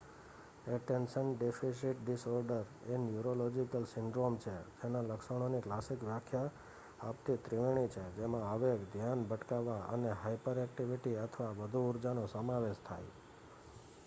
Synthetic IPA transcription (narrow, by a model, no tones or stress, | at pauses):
eʈenʃənɖefʰis̬iʈɖisɔɾɖəɾenjuɾolod͡ʒikəlsɪɳɖɾomt͡ʃʰed͡ʒenaləkʃəɽ̃oniklasikʋjakʰjaː | pt̪it̪ɾiʋeɽ̃it͡ʃʰed͡ʒemãəʋekd̪ʱjanbəʈkaʋaə̰neɦajpəɾɛk̚ʈiʋiʈiət̪ʰʋaʋəd̪ʱuːɾd͡ʒanosəmãʋeʃt̪ʰa̰j